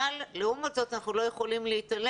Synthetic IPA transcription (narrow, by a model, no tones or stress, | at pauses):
alleumazo̞t̪anaχnulo̞je̞χo̞limleit̪al